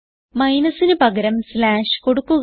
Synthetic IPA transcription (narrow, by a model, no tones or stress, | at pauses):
mɐjnɐsinɨpɐɡɐɾɐmslaːʂko̞ɽukːuɣ